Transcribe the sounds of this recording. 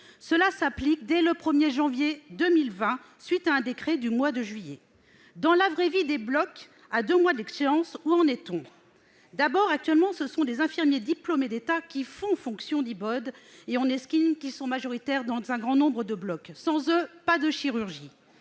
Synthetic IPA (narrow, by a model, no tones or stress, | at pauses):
səlasaplik̚d̪ɛləpχəmjeʒɑ̃vjed̪əmilvɛ̃ | sɥit̪aɛ̃d̪ekχɛd̪ymwad̪əʒɥije | d̪ɑ̃lavʁɛvid̪eblɔk | ad̪ømwad̪lɛkseʁɑ̃suɑ̃net̪ɔ̃ | d̪abɔʁak̚t̪ɥɛlmɑ̃səsɔ̃d̪ezɛ̃fiʁmjed̪iplomed̪et̪akʲifɔ̃fɔ̃ksjɔ̃d̪ibɔd̪eɔ̃nɛskʲinkʲisɔ̃maʒɔʁit̪ɛʁd̪ɑ̃zɛ̃ɡʁɑ̃nɔ̃bʁəd̪əblɔksɑ̃zøpad̪əʃiʁyʁʒi